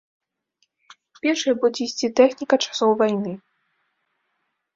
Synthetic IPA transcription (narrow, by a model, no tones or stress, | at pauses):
pʲɛrʂɨjɐbud͡zʲɛisʲt͡sʲit̪ɛxnʲikɐt͡ʂḁsɔwvajnɨ